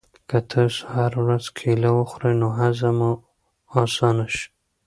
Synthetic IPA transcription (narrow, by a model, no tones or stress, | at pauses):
kət̪ʰəshaɾawɾazkʰelawəxɾəjnoɦazamu | ɑsɑnaʃ